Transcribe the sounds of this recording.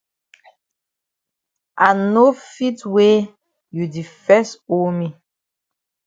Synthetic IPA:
ʔa˨no˦fi˦twe˦ | ju˨di˨fɛ˦so˦mi˨

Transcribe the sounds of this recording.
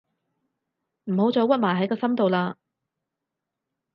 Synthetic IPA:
m̩˨˩ho˨˥wt͡sɔː˨˥wɐ˥t̚maː˨˩jɦɐ˨˥jkɔː˧sɐ˥mt̪o˨˧wlaː˧

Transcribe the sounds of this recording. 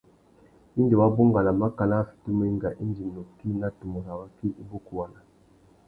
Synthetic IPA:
i˦ndi˨wa˦bo˦ŋɡa˨la˨ma˦ka˨la˦fi̥˨tu˦me˦i˦ŋɡa˨ʔi˦nd͡ʒi˨no˨ki˦na˦tu˨mɔ˨ɾa˨wa˦ki˦ʔi˦bo˦ku˨wa˨na˨

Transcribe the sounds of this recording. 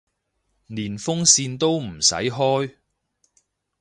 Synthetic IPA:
niː˨˩nfʊ˥ŋsiː˧nt̪o˥wm̩˨˩sɐ̰˨˥jɦɔː˥j

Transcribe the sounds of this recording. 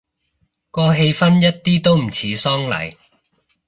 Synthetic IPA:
kɔː˧ɦe˧jfɐ˥njɐ˥t̚t̪iː˥t̪o˥wm̩˨˩t͡sʰiː˨˥sɔː˥ŋlɐ̰˨˩j

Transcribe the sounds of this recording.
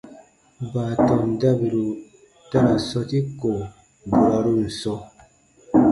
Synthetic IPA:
baː˨tɔ˨mda˦bi˨ɾu˨ | ta˦ɾa˨sɔ˦ti˦ko˨ | bu˨ɾa˨˦ɾu˦n̩˨sɔ˦

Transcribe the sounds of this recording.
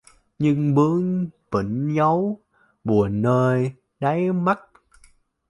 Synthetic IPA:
ɲɨ˧ŋɓɨ˨˦əŋpḭ˧˨˩ŋ̟zə˨˦w | ɓu˨˩ənːəː˧j | ɗa˨˦jma˦˥t̚

